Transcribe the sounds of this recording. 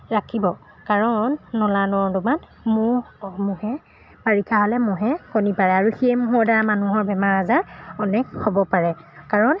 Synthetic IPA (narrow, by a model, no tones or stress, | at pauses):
ɹakʰibɔ | kaɹɔnːɔlanɔɹduman | mʊɹmʊhɛ | baɹikʰaɦɔlɛmʊɦɛkɔnipaɹɛaɹuxiɛmʊɦɔɹdaɹamanuɦɔɹbɛmaɹazaɔnɛkhobɔpaɹɛkaɹɔn